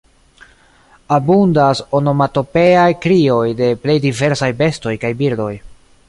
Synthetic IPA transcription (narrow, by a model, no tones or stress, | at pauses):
abundaso̞no̞mato̞pe̞ajkɾio̞jde̞ple̞jdive̞ɾsajbe̞sto̞jkajbiɾdo̞j